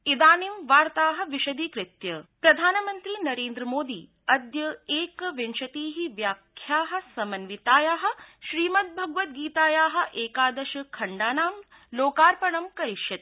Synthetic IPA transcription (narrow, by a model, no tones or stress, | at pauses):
id̪aːnimʋaːɾt̪aːɦɐ̆ʋiʃɐd̪iːkɾɪt̪jɐpɾɐd̪ʱaːnɐmɐnt̪ɾiːnɐɾeːnd̪ɾɐmoːd̪iː | ɐd̪jɐeːkʋenʃɐt̪iːɦiʋjaːkʰːjaːɦɐ̆sɐmɐnʋit̪aːjaːɦɐ̆ʃɾiːmɐt̪̚bʱɐɡʋɐt̪̚ɡiːt̪aːjaːɦɐ̆ʔeːkaːd̪ɐʃɐkʰɐɳɖaːnaːm | loːkaːɾpɐɳɐmkɐɾiʃjɐt̪